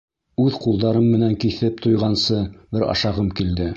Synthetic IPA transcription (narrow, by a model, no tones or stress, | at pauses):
ʉðqulˠd̪ɑɾɤmːɘ̆næŋkiθɘp̚t̪ʰojʁɑnsɤbɘɾɑ̰ʃɑʁɤmkild̪ɘ